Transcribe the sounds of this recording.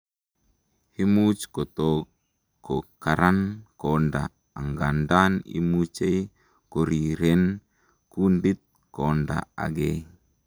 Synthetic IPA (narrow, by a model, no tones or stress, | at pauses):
himut͡ʃkot̪o | kːokaɾankonda̰ː | ŋɡandanḭmut͡ʃej | koɾiɾɛn | kundit̪̚ | kɔnda̰a̰ɡe